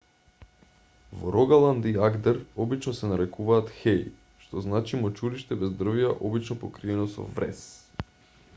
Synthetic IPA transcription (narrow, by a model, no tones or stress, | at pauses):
vo̰ɾɔɡalˠand̪iaɡd̪ɛɾɔbit͡ʃnɔsɛnaɾɛkuvaːt̪xɛj | ʃt̪ɔznat͡ʃimɔt͡ʃuɾiʃt̪ɛbɛzd̪r̩viaʔɔbit͡ʃnɔpokɾiɛnɔsɔ̰vɾɛ̰s